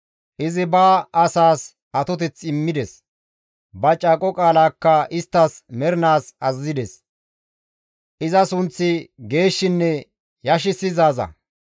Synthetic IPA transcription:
ʔɪzɪbaːɐsaːs | ɐt̪ɔt̪̬ɛt͡sːɪmːɪd̪ɛs | bɐt͡ʃʼaːkʼɔkʼaːlaːkːɐʔɪst̪ːɐsmɛɾɪnaːsɐzːɪd̪ɛs | ʔɪzɐsʊnt͡sːɪɡe̞ːʃːɪnːɛ | jɐʃ̬ɪsɪzaːzɐ̰

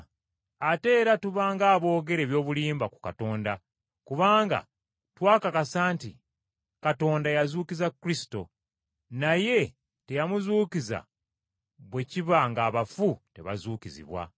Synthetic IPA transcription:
ate̞ːɾatuβaːŋɡaːβo̞ːɡe̞ɾe̞ːβjo̞ːβuliːmbaku̥kato̞ːnda | kuβaːŋɡa̰ | twaːkakasaːntḭ | kato̞ːndajazuːkizakɾisi̥to̞̰ | naje̞ | te̞jamuzuːkiza̰ | βwe̞ciβaŋɡaːβafute̞̰βa̰zuːkizḭβwa̰

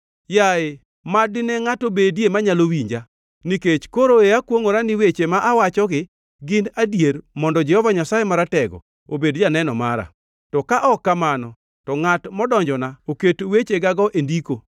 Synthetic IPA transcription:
jaɪ | madɪnɛŋatobedjemaɲalowiɲd͡ʒa | niket͡ʃkoɾoeakwoŋoɾanɪwet͡ʃemaʔawat͡ʃɔɡɪ | ɡɪnadjermɔndɔd͡ʒɛhɔvaɲasajemaɾatɛɡɔ̰ | obedjanɛnɔma̰ɾa̰ | tɔkaʔɔkːamanɔ | tɔŋatmɔdɔɲd͡ʒɔnaoketwet͡ʃeɡaɡɔʔendiko

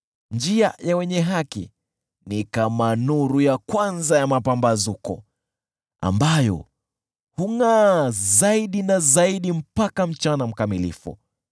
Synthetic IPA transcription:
nd͡ʒiajawɛɲɛɦakḭ | nikamanuɾujakwanzajamapambazukɔ̰ | a̰mbajɔ̰ | huŋazaiɗinazaiɗim̩pakam̩t͡ʃanam̩kamilḭfṵ

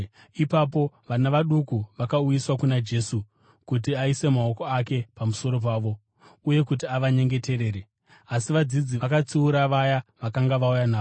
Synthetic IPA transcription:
ipapo̞ʋanaʋaɗukuʋakaujiswakunad͡ʒe̞su | kutiaise̞mao̞ko̞ake̞pamuso̞ɾo̞p̬aːʋo̞ | uje̞kut̬iaʋaɲe̞ŋɡe̞te̞ɾe̞ːɾe | asiʋad͡zid͡ziakat͡siuɾaʋajaʋakaŋɡaʋaujanaːo

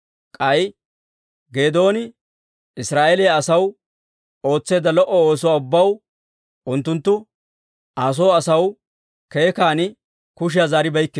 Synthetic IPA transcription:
kʼɐj | ɡe̞ːd̪o̞ːnɪ | ɪsɾaːʔeleaɐsɐw | o̞ːt͡sːe̞ːd̪ɐlɔʔːɔoːs̬ɔwaːʊbːɐw | ʊnt̪ːʊnt̪ːʊ | aːs̬o̞ːɐsɐw | ke̞ːkaːnɪ | kʊʃ̬ɪjaːzaːɾɪbɐjkːɪ

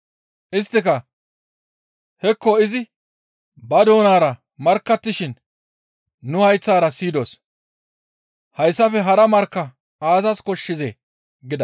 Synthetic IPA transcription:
ʔɪs̬t̪ːɪkɐ | hɛkːɔɪzɪ | bɐd̪o̞ːnaːɾɐ | mɐɾkːɐt̪ːɪʃɪn | ʊhɐjt͡sːaːɾɐsiːd̪o̞̰ːs | hɐjsːɐfɛɦɐɾɐmɐɾkːɐ | aːzɐskɔʃːɪzḛ | ɡɪd̪ɐ

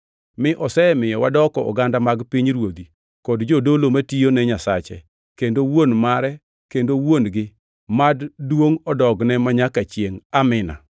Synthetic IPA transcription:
mɪʔɔsɛmɪjɔwadɔkɔɔ̰ɡandamaɡpiɲɾwod̪i | kɔdd͡ʒodolomatijonɛɲasat͡ʃɛ̰ | kendowonmaɾɛ | kendowonɡɪ | maddwoŋɔdɔɡnɛmaɲakat͡ʃjeŋamɪna̰

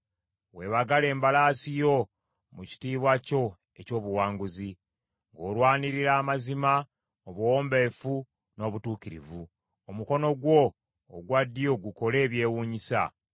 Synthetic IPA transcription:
we̞ːβaɡale̞ːmbalaːsijo̞ | muci̥tiːβwaco̞ | e̞co̞ːβuwaːŋɡuzi | ŋɡo̞ːlwaːniɾiɾaːmazima | oβuwo̞ːmbefu | no̞ːβutuːkiɾḭvu | omuko̞no̞ɡwo̞ː | ɡwadːijo̞ɡuko̞le̞ːβje̞ːwuːɲisa̰

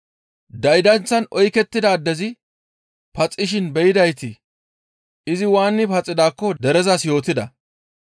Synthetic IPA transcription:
d̪ɐjd̪ɐnt͡sːɐnɔjkɛt̪ːɪd̪ɐːd̪ːɛzɪ | pɐt͡sʼːɪʃ̬ɪnbɛjɪd̪ɐjt̪ɪ | ɪzɪwaːnːɪpɐt͡sʼːɪd̪aːkːɔd̪ɛɾɛzɐsjo̞ːt̪ɪd̪ɐ

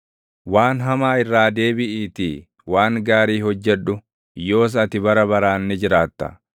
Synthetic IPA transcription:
waːnɦɐmaːɪrːaːd̪e̞ːbɪʔiːt̪ɪ | waːŋɡaːɾiːhɔd͡ʒːɛᶑʊ | jo̞ːs̬ɐt̪ɪbɐɾɐbɐɾaːnːɛd͡ʒɪɾaːt̪ːɐ̰

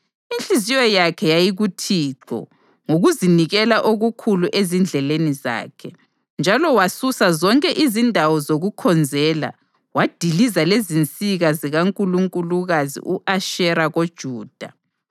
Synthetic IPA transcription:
int͡ɬʼizijɔjakʰɛjajiɣutʰiːǁʰɔ̰ | ŋoɣuziniɣɛlaʔoɣukʰuluʔezind͡ɮʱɛleniza̰ːkʰɛ | nd͡ʒʱalɔwasusazɔŋkʼɛʔizindʱawɔzoɣukʰɔnd͡zʱɛːla̰ | wad̥ʱilizalezint͡sʼiɣaziɣaŋkʼuluŋkʼuluɣazḭʔuʔaʃɛɾaɣod̥ʒ̥ʱuːd̥ʱa

